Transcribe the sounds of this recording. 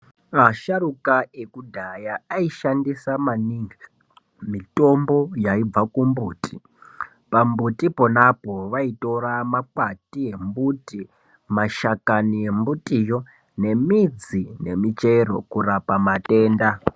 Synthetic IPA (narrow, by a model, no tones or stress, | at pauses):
maʃaɾukaʔekudʱajaaiʃandisamaniːŋɡa | mito̞mbo̞jaib͡vakumbuːtʼi | pambutipo̞napo̞ʋaito̞ɾamakwatie̞mbuti | maʃakanie̞mbutijo̞ | ne̞mid͡zine̞mit͡ʃe̞ro̞̰kurapamate̞ːnda